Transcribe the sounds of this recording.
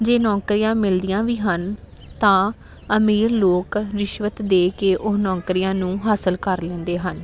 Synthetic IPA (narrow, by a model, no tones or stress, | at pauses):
d͡ʒeːnɔːkɾiːjãːmɪld̪ijãːʋiːɦən | t̪ãː | əmiːɾloːkɾɪʃʋət̪d̪eːkeːʔʊɦnɔːkɾiːjãːnũːɦaːsəlkəɾlɛ̃ːnd̪eːɦən